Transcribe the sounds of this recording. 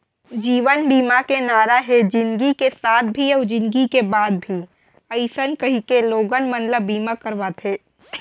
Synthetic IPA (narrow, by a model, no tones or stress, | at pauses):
d͡ʒiːʋənbiːmakenaːɾaɦed͡ʒɪ̃nɡikesaːt̪̚ʰbʱiɔd͡ʒɪ̃nɡikebaːd̪̚bʱi | əɪsənkɐɦikeloːɡənmənləbiːmakəɾʋat̪ʰeː